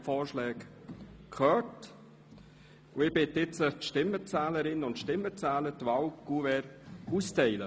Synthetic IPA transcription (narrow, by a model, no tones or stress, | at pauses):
fɔːʃlɛːkkʰχœːt | ʊɪb̥ɪtɪt͡sətʃtɪmːət͡sɛːləɾɪnʊntʃtɪmːət͡sɛːlətvawɡ̥uvɛːɾustɛɪlə